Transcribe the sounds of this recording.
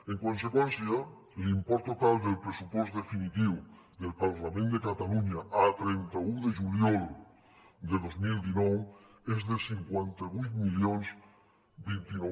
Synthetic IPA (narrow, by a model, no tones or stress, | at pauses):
eŋkons̬ekwenθja | limpɔɾt̪ot̪ald̪elpɾesupwosd̪efinit̪iw | ðelpaɾlamẽnd̪ekat̪aluɲaʔat̪ɾent̪auðeʒuljɔl | d̪eðozmild̪inɔw | ezðesiŋkwent̪aβujt̪miljonz | bint̪ino